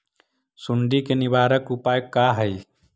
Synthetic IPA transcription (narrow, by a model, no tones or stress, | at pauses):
sʊɳɖikenɪbaːɾəkupaːjkaɦəj